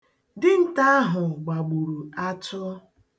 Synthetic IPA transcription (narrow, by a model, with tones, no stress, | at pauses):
dɪ˦n̩˦ta˦a˦ɦʊ˨ɡ͡ba˨ɡ͡bu˨ɾu˨a˦tʊ˦